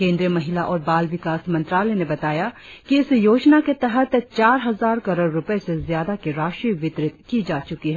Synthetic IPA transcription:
kẽːnd̪ɾiəmɐɦɪlaʔɔːɾbaːlʋɪkaːsmɐ̃nt̪ɾaːlenebɐt̪aːjakiɪsjoːd͡ʒnaket̪ɛɦət̪t͡ʃaːɾɦɐzaːɾkɐɾoːɽɾʊpesezjaːd̪akeɾaːʃʈɾiːʋɪt̪ɾɪt̪kid͡ʒaːt͡ʃʊkiɦɛː

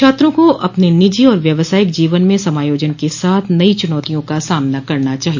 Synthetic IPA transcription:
aːt̪ɾõkoʔɐpnenɪd͡ʒiɔːɾʋjɐʋsaːɪk̚d͡ʒiːʋənmẽsɐmaːjoːd͡ʒənkesaːt̪ʰnɐit͡ʃʊnɔːt̪ijõkasaːmnakɐɾnat͡ʃaːɦi

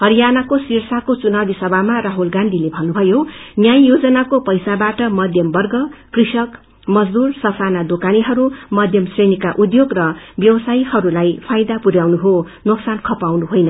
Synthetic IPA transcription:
ɦʌɾijanakosirsakot͡sunabisʌbʱamaraɦulɡãnd̪ʱilebʱʌnːubʱʌjonjajjod͡zʌnakopʌjsabaʈʌmʌd̪ʱjʌmbʌrɡʌkrisʌk | mʌd͡zd̪ursʌsanad̪okaniɦʌɾumʌd̪ʱjʌmsrenikaʔud̪joɡrʌbjʌwʌsajhʌɾulajpʰajd̪apuɾjawnuɦo | noksankʰʌpawnuɦojnʌ

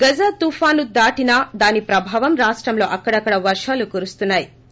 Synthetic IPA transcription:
ɡɐd͡ʒɐt̪uːfaːnud̪aːʈinɐd̪aːnipɾɐbʱaːʋɐmɾaːʂʈɾɐmlo̞ːʔɐkːɐɽɐkːɐɽɐʋɐɾʂaːlukuːɾust̪unːaːji

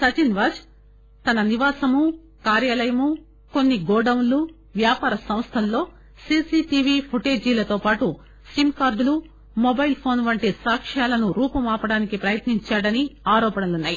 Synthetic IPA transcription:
sɐt͡ʃinʋaːd͡ʒ | t̪ɐnɐniʋaːsɐmu | kaːɾjaːlɐjɐmu | ko̞nːiɡɔːɽɐwnlu | ʋjaːpaːɾɐsɐ̃m̃st̪ʰɐlːo̞ː | siːsiːʈiʋipʰoʈeːd͡ʒiːlɐt̪o̞ːpaːʈu | simkaːɾɖlu | mobɐjlpʰo̞ːnʋɐɳʈesaːkʂaːlɐnuɾuːpɐmaːpɐɽaːnikipɾɐjɐt̪niɲt͡ʃaːɽɐniaːɾɔːpɐɳnɐlunːaːji

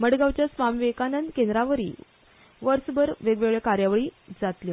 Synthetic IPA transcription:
məɽɡawt͡ɕjasʋamʋekanənd̪kẽnd̪ɾaʋəɾḭː | ʋəɾsbəɾʋeɡʋeɡɭekaɾjaʋəɭiːd͡zat̪lji

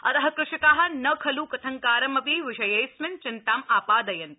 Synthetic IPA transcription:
ɐ̰t̪ɐɦɐkɾɪʃɐkaːɦɐnɐkʰɐlukɐt̪ʰɐŋkaːɾɐmɐpiʋɪʃɐjɐjsmɐnt͡ʃɪnt̪aːmaːpaːd̪ɐjɐn

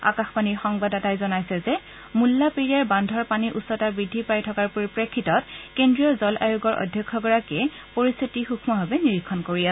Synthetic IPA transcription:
a̰kaxpaniɹxɔŋbadɔtajzɔnajsɛzɛ | mulːapeɹijaɹbandʱɔɹpaniʔusɔtaɹbɹidʱːipaɹjtʰɔkaɹpuɹipɹekʰːitɔtkendɹijɔzɔlʔa̰juɡɔɹʔɔ̰dʱjɔkʰːɔɡɔɹakɛ | poɹist̪ʰitixukʰmɔɦɔbɛniɹikʰːɔnkoɹiasɛ

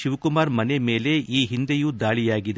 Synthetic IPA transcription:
ʃiʋkumaːɾmɐneme̞ːle̞ʔiːɦind̪ejud̪aːɭijaːɡid̪e

